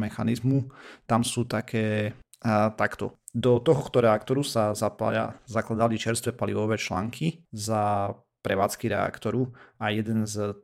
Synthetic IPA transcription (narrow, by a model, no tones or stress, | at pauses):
mɛxanizmut̪amsuːt̪akʰɛː | t̪akt̪ɔ̰d̪ɔt̪ɔɦɔxt̪ɔɾɛakt̪ɔɾusazapa̰a̰zaklad̪alit͡ʃɛɾst̪ʋɛpaliʋɔʋɛːt͡ʃla̰ːŋkʰiza | pɾɛʋa̰ːt͡skiɾɛ̰a̰kt̪ɔɾuajɛd̪ɛnz